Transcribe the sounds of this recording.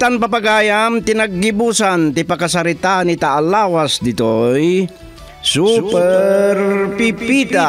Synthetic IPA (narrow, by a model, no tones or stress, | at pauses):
t̪anpapaɡaːjamt̪ɪnaɡːɪbusant̪ɪpakasaɾɪt̪anit̪aʔːlawasd̪ɪt̪oj | supɛɾɾpipit̪a